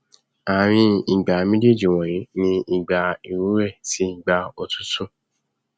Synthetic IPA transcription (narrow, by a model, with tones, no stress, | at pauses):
a˨ɾ̃ĩ˧i˨ɡ͡ba˨mĩ˦de˦˨d͡ʒi˨w̃ɔ̃˨ɾe˨˦nĩ˧i˨ɡ͡ba˨i˨ɾu˨˦ɾɛ˦˨ti˨˦˨ɡ͡ba˧o˨tu̥˦tũ˦˨